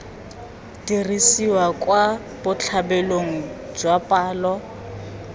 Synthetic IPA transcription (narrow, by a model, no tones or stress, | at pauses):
dirisiwakʼwa | b̥ʊt͡ɬʰabɛloŋ̩ | d͡ʒwapʼaːlɔ